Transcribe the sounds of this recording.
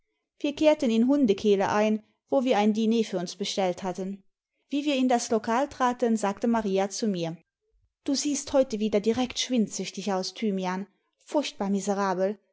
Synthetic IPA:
v̥iːɐkʰeːɐtənɪnɦʊndəkʰeːləʔaɪn | voːviːɐaɪndineːfyːɐʊnsb̥əʃtɛlthatən | viːviːɐɪndaslokʰaːltʁ̥aːtənzaːktəmaʁiːat͡sumiːɐ | d̥uːziːsthɔʏtəviːdɐdiʁɛktʃv̥ɪntz̥ʏçtɪçaʊstʰyːmjaːn | fʊɐçt̚b̥aːɐmizəʁaːbl̩

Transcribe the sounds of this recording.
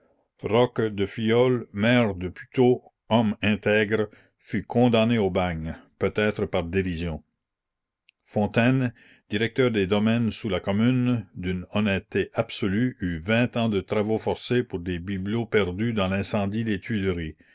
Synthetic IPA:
ʁɔkd̪əfijɔlmɛːʁd̪əpy̥t̪o | ɔmɛ̃t̪ɛɡɾ | fykʰɔ̃d̪aneobaɲpøt̪ɛːt̪ɾəpaʁd̪eɾizjɔ̃ | fɔ̃t̪ɛn | d̪̥iʁɛk̚t̪œːʁd̪ed̪ɔmɛnsulakɔmynd̪ynɔnɛt̪ːeʔab̥sɔlyyvɛ̃t̪ɑ̃d̪ət̪ɾavofɔʁsepuʁd̪ebiblopɛʁd̪yd̪ɑ̃lɛ̃sɑ̃d̪id̪et̪ɥilʁi

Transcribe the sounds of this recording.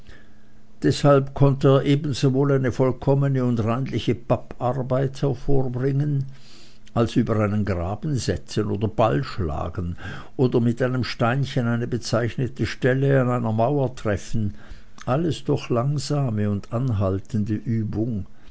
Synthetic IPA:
d̥ɛshalpkʰɔntəeːɐʔeːbn̩zovoːlaɪnəfɔlkʰɔmənəʊndʁaɪnlɪçəpapaʁbaɪthɛɐfoːɐbʁɪŋən | ʔalsʔyːbɐʁaɪnənɡʁaːbn̩zɛt͡sənoːdɐbalʃla̰ːɡn̩ | ʔoːdɐmɪtʔaɪnəmʃtaɪnçənaɪnəbət͡saɪçnətəʃtɛləanaɪnɐmaʊɐtʁ̥ɛfn̩ | ʔaləsd̥ɔχlaŋzaːməʊndanɦaltəndəʔyːbʊŋ

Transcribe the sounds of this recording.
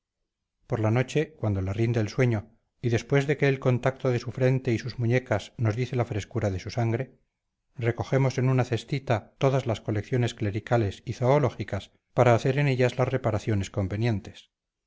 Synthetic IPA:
po̞ɾlano̞t͡ʃe̞kwand̪o̞larind̪eːlswe̞ɲo̞ | iðe̞spwe̞zðe̞ke̞ːlko̞nt̪ak̚t̪o̞ðe̞sufɾe̞nt̪e̞isuzmuɲe̞kasno̞zðiθe̞lafɾe̞skuɾaðe̞susaŋɡɾe̞ | re̞ko̞xe̞mo̞se̞nunaθe̞st̪it̪at̪o̞ðazlasko̞le̞kθjo̞ne̞skle̞ɾikale̞siθoːlo̞xikas | paɾaːθe̞ɾe̞ne̞ʎazlazre̞paɾaθjo̞ne̞sko̞mbe̞nje̞nt̪e̞s

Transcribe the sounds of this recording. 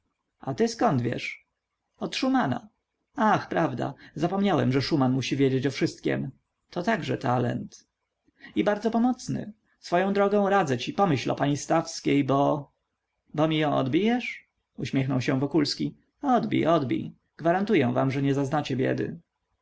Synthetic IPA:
ʔa̰t̪ɘskɔnd̪vʲjɛ̰ʂ | ɔt̪ʂumana̰ | axpɾavd̪a̰zapɔmɲawɛmʐɛʂumanmuɕivʲjed͡ʑet͡ɕɔfʂɘst̪̚kʲɛ̰m | t̪ʰɔt̪aɡʐɛt̪alɛ̰nt̪ | ibaɾd̪zɔpɔmɔt̪snɘ̰ | sfɔjɔ̃w̃d̪ɾɔɡɔ̃w̃ɾad̪zɛt͡ɕipɔmɘɕlɔ̰paɲist̪afskʲejbɔ | bɔmʲijɔ̃w̃ʔɔ̰d̪bʲijɛʂ | uɕmʲjɛxnɔwɕɛ̃vɔkulskʲi | ɔd̪bʲḭjʔɔd̪bʲḭj | ɡ̥vaɾant̪ujɛw̃va̰mʐɛɲɛzaznat͡ɕɛbʲjɛ̰d̪ɘ̰

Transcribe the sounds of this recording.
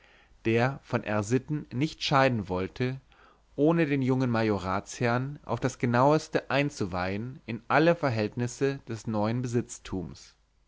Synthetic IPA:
d̥eːɐfɔnʔɛ̰ɐzɪtn̩nɪçtʃaɪdn̩vɔltʰə | ʔoːnədeːnjʊŋənmajoʁaːt͡shɛɐnʔa̰ʊfd̥asɡ̥ənaʊəstəʔaɪnt͡suvaɪənɪnʔaləfɛɐɦɛltnɪsəd̥ɛsnɔʏənbəzɪt͡stʰuːms

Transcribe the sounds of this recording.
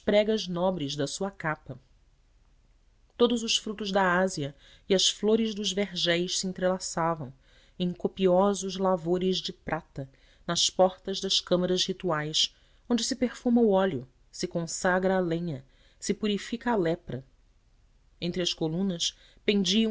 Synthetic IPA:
ʃpɾɛɡɐznɔbɾɪzd̪ɐsuɐkapɐ | t̪od̪ʊzʊsfɾut̪ʊzd̪ɐaziɐ | iɐsfloɾɪzd̪ʊzveɾʒɛjʃsiẽnt̪ɾelasavɐ̃w̃ | ẽkopiɔzʊzlavoɾɪʒd͡ʒɪpɾʔat̪ɐ | nɐspɔχt̪ɐzd̪ɐskɐ̃mɐɾɐzhit̪uajs | õñd͡ʒɪsɪpeχfumɐʊɔlʊ | sɪkõsaɡɾɐːlẽɲɐ | sɪpuɾifikɐːlɛpɾɐ | ẽnt̪ɾɪɐskolũnɐs | pẽnd͡ʒiɐ̃

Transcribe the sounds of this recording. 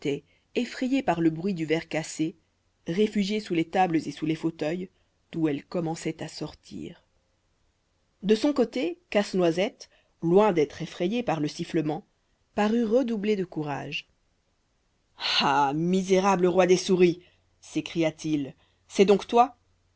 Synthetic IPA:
t̪ɛ | efχejepaʁləbʁɥid̪yvɛʁkase | ʁefyʒjesulet̪abləzesulefot̪œj | d̪̥uɛlkɔmɑ̃sɛt̪asɔʁt̪ʰḭːʁ | d̪əsɔ̃kot̪ekasnwazɛt̪ | lwɛ̃d̪ɛt̪χefχɛjepaʁləsifləmɑ̃ | paʁyʁəd̪ubled̪əkuʁa̰ʒ | amizeʁabləʁwad̪esuʁi | sekχijat̪il | sɛd̪ɔ̃kt̪wa

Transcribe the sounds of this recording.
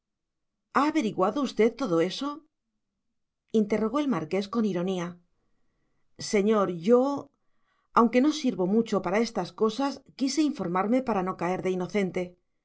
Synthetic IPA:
aːβe̞ɾiɣwaðo̞ust̪e̞ðt̪ːo̞ðo̞e̞so̞ | int̪e̞ro̞ɣo̞e̞lmaɾke̞sko̞niɾo̞nia | se̞ɲo̞ɾʝo̞ | awŋke̞no̞siɾβo̞mut͡ʃo̞paɾae̞st̪asko̞saskise̞iɱfo̞ɾmaɾme̞paɾano̞kae̞ɾðe̞ino̞θe̞nt̪e̞

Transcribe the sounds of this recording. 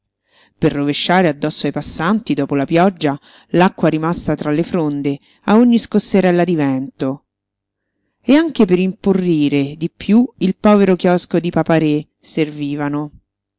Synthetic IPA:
perːoveʃːaːɾead̪ːɔsːoajpasːant̪id̪ɔːpolapjɔd͡ʒːa | lakːwaɾimast̪at̪ɾalːefɾond̪e | aoɲːiskosːeɾɛlːad̪ivɛnt̪o | eaŋkepeɾimporːiːɾed̪ipːjuilpɔːveɾokjɔskod̪ipapaɾe | serviːvano

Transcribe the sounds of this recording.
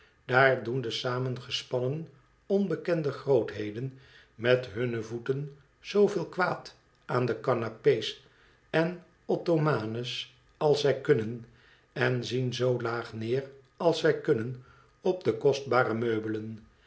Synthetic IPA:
d̥aːɹdundəsaːmənχəspɑnən | ɔnbəkɛndəχrowtɦejdən | mɛtɦɵnəvutən | z̥owvɪːlˠkʋaːt | aːndəkɑnapejs | ɛn | ɔtomaːnəs | ɑlˠsɛjkɵnən | ɛnzinzowlaːχnɪːr | ɑlˠsɛjkɵnən | ɔb̚dəkɔsd̚baːrəmøɥbələn

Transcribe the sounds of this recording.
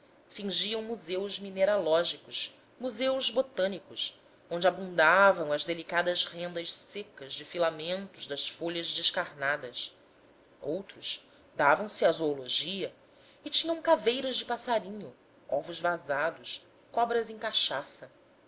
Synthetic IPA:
fĩŋʒiɐ̃w̃muzewzmineɾalɔʒikʊʃ | muzewzbot̪ɐ̃nikʊs | õnd͡ʒɪabũnd̪avɐ̃w̃ɐzd̪elikad̪ɐzhẽnd̪ɐʃsekɐzd͡ʒɪfilamẽnt̪ʊʒd̪ɐsfoʎɐzd͡ʒɪʃkaɾnad̪ɐs | owt̪ɾʊʃ | d̪avɐ̃w̃sɪazoːloʒiɐ | ɪt͡ʃĩɲɐ̃w̃kavejɾɐzd͡ʒɪpasaɾĩɲʊ | ɔ̰vʊzvazad̪ʊʃ | kɔbɾɐzẽkaʃasɐ

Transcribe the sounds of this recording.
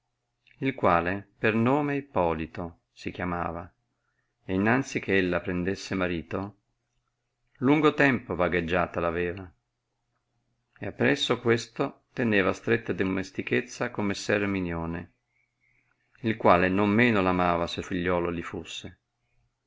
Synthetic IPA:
ilkwaːlepernoːmeipːɔːlit̪o | sik̟jama̰ːva | einːant̪sik̟eelːapɾend̪esːemaɾiːt̪o | luŋɡot̪ɛmpovaɡed͡ʒːaːt̪alavɛːva | eapːɾɛsːokwest̪ot̪eneːvast̪ɾet̪ːad̪ommest̪iket̪sːakomːesːɛrminjoːne | ilkwaːlenomːeːnolamaːvaselfiʎːɔːlolifusːe

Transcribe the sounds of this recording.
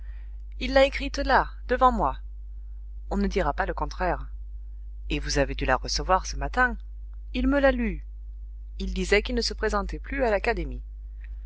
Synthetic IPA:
ilːaekχit̪la | d̪̥əvɑ̃mwa | ɔ̃nəd̪iʁapaləkɔ̃t̪χɛʁ | evuzaved̪ylaʁəsəvwaʁsəmat̪ɛ̃ | ilməlaly | ild̪izɛkilnəsəpχezɑ̃t̪ɛplyalakad̪emi

